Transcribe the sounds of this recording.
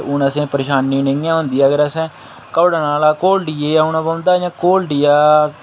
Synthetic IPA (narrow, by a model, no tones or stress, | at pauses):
ʊnəsẽːpəɾeːʃaːnːiːnɪŋjãːɦʊ̃ːnd̪iːaːɡəɾəsɛ̃ː | kəːɽaːnaːlaːkoːlɖieːaːʊnãːbaːʊ̃nd̪aːjãːkoːlɖijaː